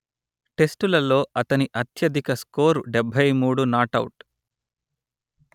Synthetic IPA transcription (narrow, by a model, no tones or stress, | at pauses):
ʈe̞sʈulɐlo̞ːʔɐt̪ɐniʔɐt̪jɐd̪ʱikɐskoːɾuɖɛbʱɐjmuːɽunaːʈɐ̰wʈ